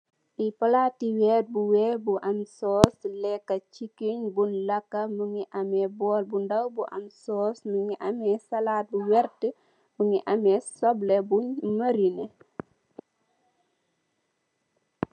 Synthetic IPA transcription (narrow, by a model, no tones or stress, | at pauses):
ʔipɐlatːiwɛːt̚buwɛbuʔɐmsɔːslɛkːɐt͡ʃikːiɲbunlɐkːɐmuŋiʔɐmɛbɔːlbundɐwbuʔɐ̰msɔːsmuŋiʔɐmɛsɐlaːt̚buwɛɾtə | buŋiʔɐmɛsɔblebumɐɾinɛ